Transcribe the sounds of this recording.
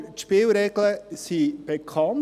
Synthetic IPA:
t̪ʃpeːlɾɛɡləsib̥ekʰɑn

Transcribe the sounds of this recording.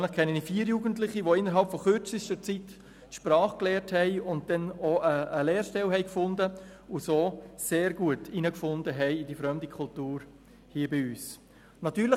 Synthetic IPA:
nlɪχkʰɛnənifiːɾjuːɡəntlɪχiʋoɪnːəɾɦɑlpfɔχøɾt͡sɪstəɾt͡sit | tʃpɾɑːχklɛːɾthɛɪʊnt̚d̥ɛnoəəleːɾʃtɛlɦɛɪkfʊndəʊsoːseːɾɡuətinəkfʊndəɦɛɪidifɾœmdikʰʊltuːɾ | hiəbiyːs | nɑt̪yːɾlɪ

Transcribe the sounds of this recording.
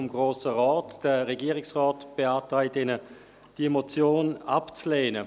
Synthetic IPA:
mɡ̥ʁoːsəʁɔːtd̥əʁɛɡiːʁɪksʁɔːtb̥eaːtʁaɪtɪnə | d̥iemot͡sjoːnapt͡sleːnə

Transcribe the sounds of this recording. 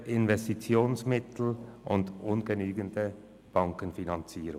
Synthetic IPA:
ʔɪnvɛstit͡sjoːnsmɪtl̩ʔʊndʔʊnɡənyːɡəndə | b̥ɑŋkənfinɑnt͡siːɾʊ

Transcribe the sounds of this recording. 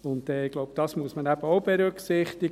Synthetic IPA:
ʊntɛɪɡ̥lɔʊbd̥ɑsmuəsmənæb̥əɔʊb̥ɛɾʉksɪχtɪ

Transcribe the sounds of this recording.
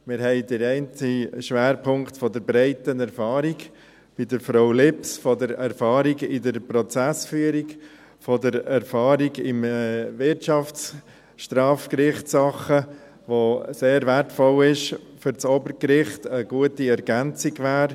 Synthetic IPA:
mɪɾhɛɪdəɾɛɪnt͡siʃʋæːɾpʰʊŋktfɔdəɾbɾɛɪtənɛɾfɑːɾiɡ | b̥idəɾfɾoʊlɪpsfɔdəɾɛɾfɑːɾiɡɪdəɾpɾɔt͡sæsfyːəɾiɡ | fɔdəɾɛɾfɑːɾiɡɪmvɪɾtʃɑfs | ʃtɾɑːfkɾɪχtsɑχə | ʋoseːɾvɛɾtfɔlɪʃfʏɾt͡soːbəɾkɾɪχtəɡ̥uətiɛɾɡænt͡siɡʋaːɾ

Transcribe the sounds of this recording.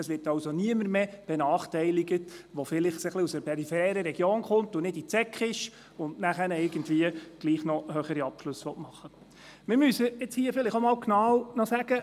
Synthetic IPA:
ɛsʋɪrtɑwsoniəməɾmeb̥ɛnɑːχtɛɪliɡətʋɔfɪlɪχsəχliusəɾpɛɾifɛɛːɾəɾɛɡjoːnkʊntʊnɪdit͡sɛkχɪʃ | ʊndnæχænəɪɾɡ̥əntviəɡ̥liːχnɔhœχəɾiɑpʃlʉsːʋɔtmɑχːə | mɪɾmysəɪt͡shiəfɪlɪχomɑːwknɑwnɔsæɡ̥ə

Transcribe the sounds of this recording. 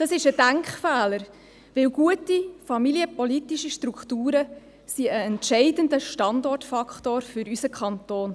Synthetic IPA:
d̥ɑsɪʃəd̥æŋkχfæːləɾ | ʋɪwɡ̥uətifɑmiliəpɔlitiʃiʃtɾukχtuːɾə | siəɛntʃɛɪdəndəʃtɑndɔrtfɑktoːɾfʏɾysəkχɑntoːn

